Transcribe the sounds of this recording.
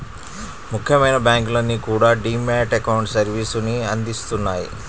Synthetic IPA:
mukʰjɐmɐjnɐbjaːŋkulɐnːikuːɽaːɖiːmːaːʈekɐwɳʈsɐɾʋiːsuniɐnd̪ist̪unːaːjḭ

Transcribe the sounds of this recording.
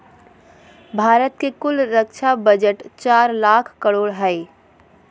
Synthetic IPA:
bʱaːɾət̪kekʊlɾəkʃʰabəd͡ʒəʈt͡ʃaːɾlaːkʰkəɽoːɽɦɛe

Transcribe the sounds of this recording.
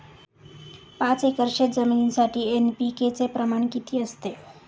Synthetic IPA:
pãt͡sekəɾʃed͡zəminsaʈʰienpiket͡sepɾəmaɳkit̪ʰiəst̪e

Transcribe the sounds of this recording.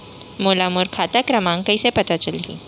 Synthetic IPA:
molamuɾkʰat̪akɾəmãŋkəjsepət̪at͡ʃəlɦḭ̃ː

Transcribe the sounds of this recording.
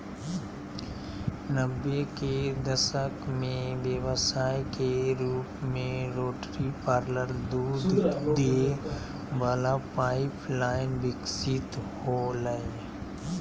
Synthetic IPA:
nəbjeked̪əsəkmẽʋjəwəsaːjkeɾuːpmẽɾoːʈɾipaːɾləɾd̪uːd̪d̪ee | baːlapaːɪpʰlaːɪnbɪksɪt̪holəe

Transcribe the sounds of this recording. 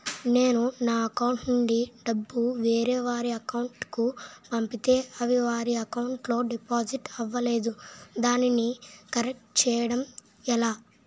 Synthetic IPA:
ne̞ːnunaːɐkɐwuɳʈnuɳɖiɖɐbːuʋeːɾɛːʋaːɾiɐkɐwɳʈkupɐmpit̪e̞ːɐʋiʋaːɾiɐkɐwuɳʈlo̞ːɖipaːd͡ʒiʈɐʋːɐle̞ːd̪ud̪aːninikɐɾek̚ʈt͡ʃɛːjɐɽɐm | ɛlaː

